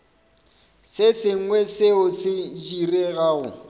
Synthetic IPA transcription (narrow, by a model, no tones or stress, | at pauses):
sɪsɪŋ̩wɛsɪʊsɪd͡ʒireɣaːɣʊ̰